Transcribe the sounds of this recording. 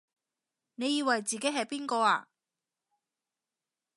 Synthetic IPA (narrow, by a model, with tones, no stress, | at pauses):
ne˨˧jiː˧wɐ˨˩jt͡siː˨ke˨˥jɦɐ˨˩jpiː˥nkɔː˧aː˧